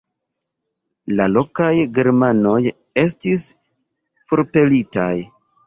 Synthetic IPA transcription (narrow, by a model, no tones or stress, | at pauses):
lalo̞kajɡe̞ɾmano̞j | e̞stis | fo̞ɾpe̞litaj